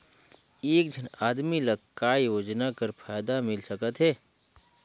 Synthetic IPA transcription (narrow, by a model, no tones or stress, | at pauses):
eːkd͡ʒʱənaːd̪milɐɡkːaːijoːd͡ʒnakɐɾpʰaːjd̪amɪlsəkət̪ɦɛː